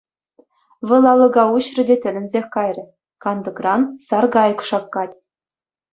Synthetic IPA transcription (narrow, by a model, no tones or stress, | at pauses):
ʋɤ̆lˠɑlˠɤ̆ɡɑuɕrɘ̆dʲetʲɘ̆lʲɘ̆nʲzʲexʲkɑjrʲɤ̆ | kɑnd̪ɤ̆krɑnsɑrɡɑjɤ̆kʂɑkːɑtʲ